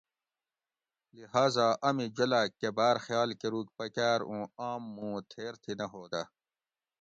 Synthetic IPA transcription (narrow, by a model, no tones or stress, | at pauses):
liɦaːzaːʔɐmid͡ʑɐlaːkːebaːɾxjaːlkeɾuːkpɐkaːɾũːaːmːũːt̪ʰeːɾt̪ʰinɐɦoːd̪ɐ